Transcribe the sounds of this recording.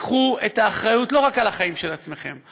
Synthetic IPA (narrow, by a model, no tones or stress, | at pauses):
χuetaːχʁajutlo̞ʁakalaχaimʃelat͡sme̞χe̞̰m